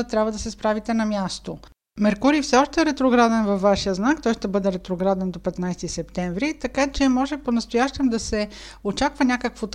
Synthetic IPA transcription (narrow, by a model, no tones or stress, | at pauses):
t̪ɾʲabvəd̪ɐsɛspɾavit̪ɛnɐmjast̪o | mɛɾkuɾifsɛɔʃt̪ɛɾɛt̪ɾoɡɾad̪ɛnvɐfvːaʃijəznakt̪ɔjʃt̪ɛbɤd̪ɛɾɛt̪ɾoɡɾad̪ɛnd̪opɛt̪najst̪isɛp̚t̪ɛɱvɾit̪ɐkat͡ʃɛmɔʒɛponɐst̪ojaʃt̪ɛmd̪ɐsɛ | ot͡ʃakvɐnʲakəkvot̪